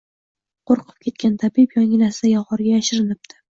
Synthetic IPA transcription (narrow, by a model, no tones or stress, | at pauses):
qʰoɾqʰɨ̥p̚kʲʰe̞t̪kʲant̪ʰabipjɒŋɡʲɪnaɾsajɒʁɒɾɡʲajaʃɪɾɪnɪp̚t̪ʰɪ̥